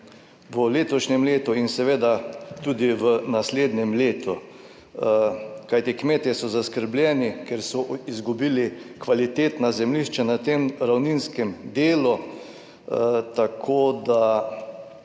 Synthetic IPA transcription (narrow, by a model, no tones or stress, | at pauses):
ʋəleːt̪ɔʃnɛmleːt̪uinsɛʋeːd̪at̪ud̪iʋənasleːd̪nɛmleːt̪u | kajt̪ikmeːt̪jɛsɔzaskəɾblʲjɛnikeɾsɔizɡubiːlikʋalit̪eːt̪nazɛmliʃt͡ʃɛnat̪emɾawninskɛmd̪eːlu | t̪akʰoːd̪a